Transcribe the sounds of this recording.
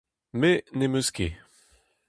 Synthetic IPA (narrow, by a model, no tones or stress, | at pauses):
menemøske